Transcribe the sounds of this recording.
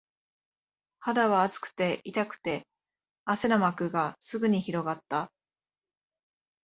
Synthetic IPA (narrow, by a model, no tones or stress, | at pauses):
had̪aβaːt͡sɨ̥kɯ̟̥t̪e̞ʔit̪akɯ̟̥t̪e̞ | asenamakɯ̟ɡasɨɡɯ̟ɲ̟içiɾo̞ɡat̪ːa